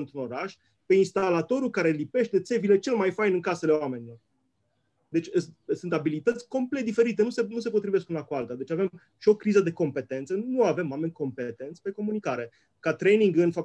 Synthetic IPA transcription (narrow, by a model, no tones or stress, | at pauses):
ɨnt̪ɾuno̞ɾaʃ | pe̞inst̪alat̪o̞ɾukaɾe̞lipe̞ʃt̪e̞t̪se̞vile̞t͡ʃe̞lmajfajnɨŋkase̞leoame̞nilo̞r | d̪e̞t͡ʃʲsɨnt̪abilit̪ət̪sʲko̞mplet̪d̪ife̞ɾit̪e̞nuse̞nus̬e̞pot̪ɾive̞skunakualt̪ad̪e̞t͡ʃave̞m | ʃio̞kːɾizəd̪e̞ko̞mpe̞t̪e̞nt̪sənuave̞mwame̞nʲko̞mpe̞t̪e̞nt̪sʲpe̞ko̞munikaɾe̞ | kat̪ɾe̞jniŋɡɨnfap̚